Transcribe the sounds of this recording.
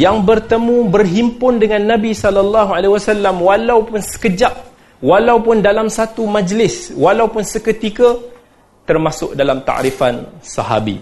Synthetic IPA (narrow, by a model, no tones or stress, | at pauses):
jaŋbərt̪əmũbərɦimpʊndəŋanːãbisɔlɔlːɑɦualewasalːamwalawpʊnsə̥kəd͡ʒaʔ | walawpʊndalamsat̪umãd͡ʒlɪswalawpʊnsəkət̪ika | t̪ərmasʊk̚dalamt̪a̰ʔɾifansa̰ɦa̰bḭ